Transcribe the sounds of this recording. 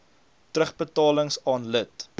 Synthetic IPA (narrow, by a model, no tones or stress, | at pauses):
trəχbətɑːləŋsɑːnlət